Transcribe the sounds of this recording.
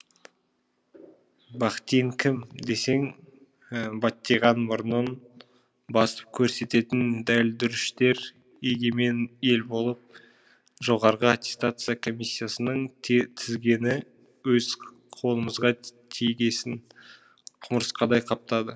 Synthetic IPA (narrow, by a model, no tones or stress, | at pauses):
bɑqt̪ejŋkʲʰɪmd̪e̞se̞ŋ | bɑt̪ːejʁɑnbʊɾənən | bɑsə̥p̚kʲʰɵɾse̞t̪e̞t̪ɪnd̪æld̪ʏɾɪʃt̪e̞ɾ | eɡʲeme̞ne̞lbo̞lˠəp̚ | ʒo̞ʁɑɾʁəat̪ʲest̪at̪sɨjakʰo̞mijsʲːijasənəɴt̪ʰɪzɡʲe̞nɪ | wɵz | qʰo̞lˠəməzʁɑt̪ʰijɡʲesɪn | qʰʊməɾəsqɑd̪ɑjqʰɑp̚t̪ɑd̪ə